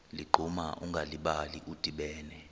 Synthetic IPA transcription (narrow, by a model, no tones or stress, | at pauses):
liɡ͡ǃʱumaʔuŋɡʱaliɓaliʔud̥ʱiɓɛːnɛ